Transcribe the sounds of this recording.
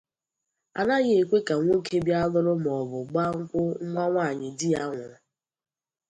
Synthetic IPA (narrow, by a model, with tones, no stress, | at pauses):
a̰˨na˦ɣɪ˦e˨kʷe˦ka˨ŋʷo˦kʰe˦bja˦lʊ˦ɾʊ˦m˨ɔ˨bʊ˨ɡ͡ba˦ŋ̩˦kʷʊ˦ŋ̩˦ŋʷa˦ŋʷa˦˨ɲɪ˨dɪ˦a˦ŋʷʊ˨ɾʊ˨